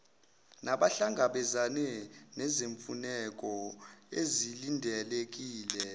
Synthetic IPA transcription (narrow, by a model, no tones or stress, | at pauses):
naɓaɬaŋɡʱaɓɛzanɛnɛzeɱfunɛkʼɔezilindʱɛlek̬ʼiːlɛ